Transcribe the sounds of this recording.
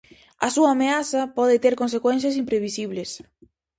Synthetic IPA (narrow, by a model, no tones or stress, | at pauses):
ɐsuaːmeaθɐpɔðɪt̪eɾkõnsekwen̟θ̬jɐsimpɾeβisiβles